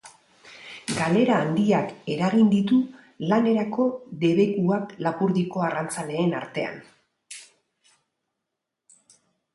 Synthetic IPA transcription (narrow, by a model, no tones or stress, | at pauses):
ɡale̞ɾaːnd̪iake̞ɾaɣind̪it̪u | lane̞ɾako̞ðe̞βe̞kuaklapuɾðiko̞arant͡sale̞ːna̰ɾt̪e̞a̰n